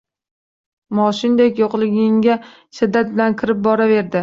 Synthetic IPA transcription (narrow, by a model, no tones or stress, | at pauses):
mɒʃɪnd̪ekʲjoqlˠɪɡʲɪŋɡʲa | ʃɪd̪ːat̪̚bɪlankʲʰɪɾɪp̚bɒɾave̞ɾd̪ɪ